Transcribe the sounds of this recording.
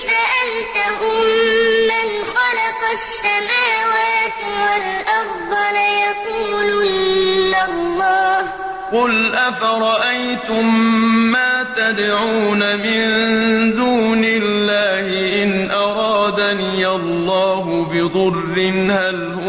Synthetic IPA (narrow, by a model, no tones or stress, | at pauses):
faʔant̪aɦʊmːɪnxɑlɑqɑʃːamaːwaːt̪ɪwalʔɑɾˤd̪ˤɑljɑquːlɪːalːɑːh | qʊlʔafaɾˤɑʔajt̪ʊmːaːt̪ad̪ʕuːnamɪnd̪uːnɪlːaːhɪʔɪnʔɑɾˤɑːd̪aniːʔɑlːɑːɦʊbɪd̪ˤʊrːɪnhalhʊ